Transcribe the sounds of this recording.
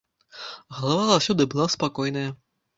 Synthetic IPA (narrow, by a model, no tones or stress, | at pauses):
ɣɐlˠavazawsʲɔd̪ɨbɨlˠaspakɔjnɐjɐ